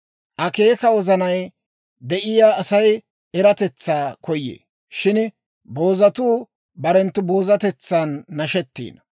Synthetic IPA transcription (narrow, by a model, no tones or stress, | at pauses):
ʔɐke̞ːkɐwɔzɐnɐj | d̪ɛʔɪjaːɐsɐj | ɛɾɐt̪ɛt͡sːaːkʰɔjːḛː | ʃɪn | bo̞ːzɐt̪uː | bɐɾɛnt̪ːʊbo̞ːzɐt̪ɛt͡sːanːɐʃɛt̪ːḭːnɐ